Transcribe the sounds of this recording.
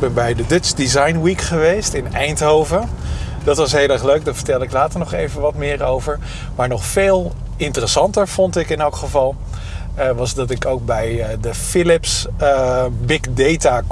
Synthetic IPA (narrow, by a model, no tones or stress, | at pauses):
bɛnbɛjdədɵtsdizɑjnwikχəʋejstɪnɛjntɦowvədɑtʋɑsɦejlˠɛɹχløɥk̚daːvəɹtɛlˠdɪklaːtəɹnɔχejvənʋɑtmɪːɹowvəɹ | maːɹnɔχfeːlˠ | ɪntərəsɑntəɹv̥ɔntɪkɪnɛlˠkχəvɑlˠ | ʋɑzdɑtɪkowk̚bɛjdəfɪlɪps | bɪkdejta